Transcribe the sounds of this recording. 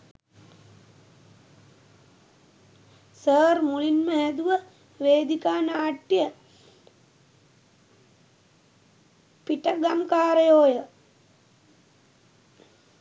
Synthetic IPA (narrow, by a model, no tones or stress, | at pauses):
səːɾmuɭinməɦɛd̪uʋə | ʋeːd̪ikaːnaːʈːjə | piʈəɡamkaːɾəjoːjə